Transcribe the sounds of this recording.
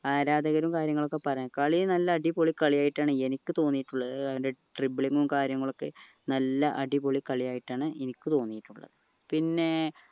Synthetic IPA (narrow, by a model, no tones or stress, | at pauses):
aːɾaːd̪ɐɣɐɾumkaːɾjɐŋːɐɭo̞kːe̞pɐrɐɲːkɐɭinɐlːɐːɽipoɭikːɐɭijaːjiʈːaːɳɨe̞nikʲːɨt̪o̞ːnːijiʈːuɭːɐðɨɐʋindeʈribɭiŋːumkaːɾjɐŋːɐɭo̞kːe̞ | nɐlːɐʔɐɖipoɭikːɐɭijaːjiʈːaːɳɨʔenikʲːɨt̪o̞ːnːijiʈːuɭːɐ̰ðɨ | pinːe̞